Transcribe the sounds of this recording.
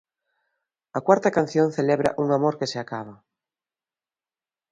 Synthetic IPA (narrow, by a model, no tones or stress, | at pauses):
akwaɾt̪akan̟θjon̟θeleβɾa̰ʔuŋamoɾkeseakaβ̞a